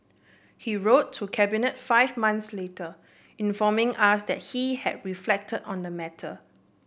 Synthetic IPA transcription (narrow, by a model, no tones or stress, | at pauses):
hiɹotʰːukʰɛbinətfaɪvmãnθsletə | ĩnfɔmɪ̃ŋasdɛt̚hihɛd̚ɹiflɛk̚tʰədɔ̃ndəmɛtʰə̰